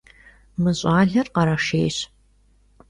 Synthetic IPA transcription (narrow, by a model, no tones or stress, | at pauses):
mɨɕʼaːɮɐrqɐɾɐʂḛːjɕ